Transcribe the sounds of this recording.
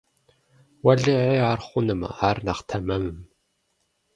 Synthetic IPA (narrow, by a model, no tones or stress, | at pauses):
wɐɮɨʕeːarχʷʊnɨmɐ̰aːrnɐχtʰɐmɐmɨm